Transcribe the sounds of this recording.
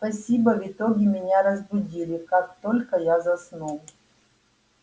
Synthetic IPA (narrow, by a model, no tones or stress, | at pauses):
spɐsʲibəvʲɪt̪oɡʲɪmʲɪnʲaɾəzbʊdʲilʲɪkak̚t̪o̞lʲkəjazɐsnolˠʊ